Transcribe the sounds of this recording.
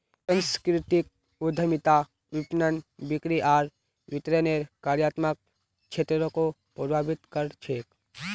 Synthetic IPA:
sə̃nskɾɪʈik̚ | ʊd̪ʱəmɪt̪a | ʋɪpnənbɪkɾiʔaːɾ | ʋɪt̪ɾeneːɾkaːɾjaːt̪mak̚ | t͡ʃʰet̪ɾɾõko | pəɾbʱaːbɪt̪kəɾt͡ʃʰeːk

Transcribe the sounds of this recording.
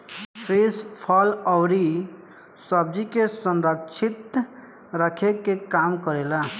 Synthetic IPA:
pʰɾispʰɔləwɾi | səb̚d͡ʒikesənɾəkt͡ʃʰit̪ | ɾəkʰekekamkəɾela

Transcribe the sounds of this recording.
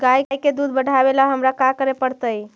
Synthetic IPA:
ɡajjked̪ud̪bəɽʱabelaɦəmɾakakəɾepəɽt̪əj

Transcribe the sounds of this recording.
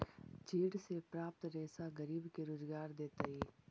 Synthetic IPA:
t͡ʃiːɽsepɾaːp̚t̪ɾeːsaɡɐɾiːbkeɾoːzɡaːɾd̪eːt̪aːiː

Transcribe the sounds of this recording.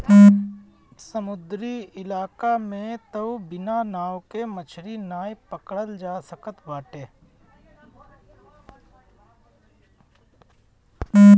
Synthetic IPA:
səmʊd̪ɾiɪlaːkamẽt̪əwbɪnanaːwkemət͡ʃʰɾinaːjpəkɽəld͡ʒaːsəkət̪ʋaːʈeː

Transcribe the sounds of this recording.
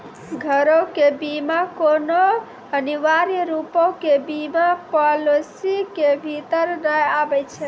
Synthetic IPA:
ɡʱəɾõkebimakono | əniʋaɾijɾupõkebimapɔlosikebʱit̪əɾnəjabɛt͡ʃʰɛ

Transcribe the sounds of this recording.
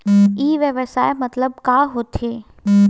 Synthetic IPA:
iːʋjəʋəsaːemɐt̪ləb̚kaːɦoːt̪ʰeː

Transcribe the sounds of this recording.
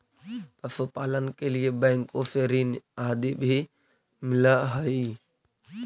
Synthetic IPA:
t̪əsopaːlənkeliebɛ̃ːŋkofeːɾiːnaːd̪ibʱi | mɪlaɦəi

